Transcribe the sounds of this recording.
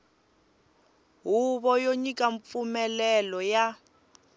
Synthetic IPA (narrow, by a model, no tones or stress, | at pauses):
ɦuβɔjoɲikʼaɱp̪fumɛlɛlɔja